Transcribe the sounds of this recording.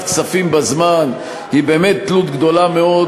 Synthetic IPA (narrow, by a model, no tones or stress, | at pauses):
ksafimbazman | hibe̞ːmet̪ːlut̪ɡd̪o̞lameo